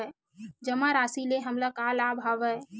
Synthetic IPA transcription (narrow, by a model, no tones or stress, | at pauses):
d͡ʒəmaɾasileɦəmlakalabʱaʋɛ